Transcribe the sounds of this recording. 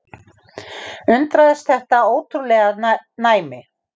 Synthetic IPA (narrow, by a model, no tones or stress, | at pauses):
ʏnt̪ɾaðɛst̪θɛht̪aoːwt̪ʰɾulɛːɣanaːjmɪ